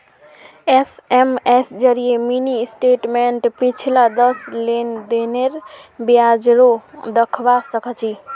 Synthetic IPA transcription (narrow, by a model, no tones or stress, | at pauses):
esemesd͡ʒəɾijeminisʈeʈmeɳʈpit͡ʃʰilad̪əslend̪eneɾbijad͡ʒɾod̪əkʰʋasəkʰət͡ʃʰi